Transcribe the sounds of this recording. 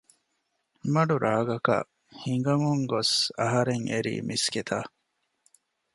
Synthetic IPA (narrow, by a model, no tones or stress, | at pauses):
mɐɖuɾʔaːɡɐkɐ̰ | hiŋ̆ɡɐŋuŋɡosɐɦɐɾeŋeɾḭːmisɡet̪ʰaː